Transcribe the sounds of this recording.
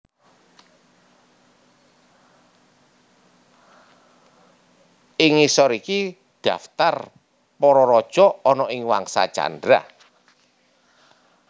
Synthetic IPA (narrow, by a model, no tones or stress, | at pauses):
ʔɪŋisɔɾiki | ɖ̥a̤ft̪ar | pɔɾɔɾɔd̥ʒ̥ɔɔnɔʔɪŋwa̰ŋsa̰t͡ʃa̰ndɾa̰